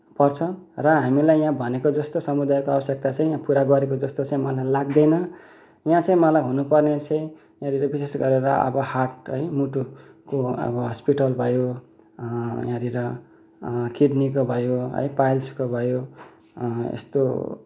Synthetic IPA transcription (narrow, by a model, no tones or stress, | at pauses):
pʌrt͡sʰʌrʌɦamilajjãbʱʌnekod͡zʌst̪osʌmud̪ajkoʌbʌsjek̚t̪at͡sʌ̃ĩjãpuɾaɡʌɾekod͡zʌst̪ot͡sãĩmʌlajlaɡ̚d̪ʌjnʌ | jãt͡sʌ̃ĩmʌlajɦunupʌrnet͡sʌ̃ĩ | jãɾiɾʌbisesɡʌɾeɾʌʌ̰bʌhaʈ̚ɦʌjmuʈu | koʌ̰bʌɦʌspiʈʌlbʱʌjo | jãɾiɾʌ | kiɖnikobʱʌjoɦʌ̰jpajlskobʱʌjo | ḛst̪o